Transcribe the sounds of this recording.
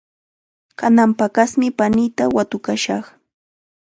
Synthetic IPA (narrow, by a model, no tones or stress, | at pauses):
kanampakasmɪpanɪjt̪awat̪ʊkaʃɑχ